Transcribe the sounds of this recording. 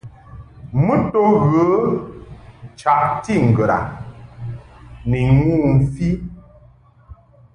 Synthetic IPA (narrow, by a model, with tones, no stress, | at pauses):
mə˦to˦ɣə˨˦ | t͡ʃa˨ʔti˦ŋ̩˨ɡə˨ɾa̰˨ | ni˨ŋu˦m̩˨fi˦